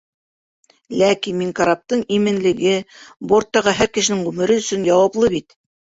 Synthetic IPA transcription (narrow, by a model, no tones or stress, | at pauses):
lækinmiŋkaɾap̚t̪ɤɴimɘ̆nlɘ̆ɡɘboɾt̪ːɑʁɤɦæɾkɘ̆ʃɘ̆nɘŋʁʉmɘ̆ɾɘɵ̆sɵnjɑwɑplˠɤβit̪